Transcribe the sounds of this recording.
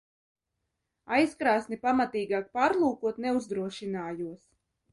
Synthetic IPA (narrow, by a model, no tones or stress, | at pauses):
ajskɾaːsnipamat̪iːɡaːk̚paːɾlˠuːkuɔt̪nɛuzd̪ɾuɔʃinaːjuɔs